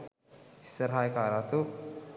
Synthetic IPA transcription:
isːɐɾɦaːjkaːɾaːt̪u

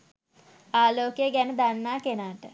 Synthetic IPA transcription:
aːloːkəjəɡænəd̪anːaːkenaːʈə

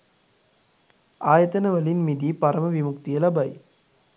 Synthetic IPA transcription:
aːjɐt̪ɐnɐʋɐlinmid̪ipɐɾɐmɐʋimʊkt̪ijɐlɐbɐɪ

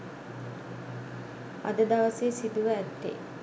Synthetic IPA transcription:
a̰d̪əd̪aʋəseːsid̪uʋəæt̪ːḛ

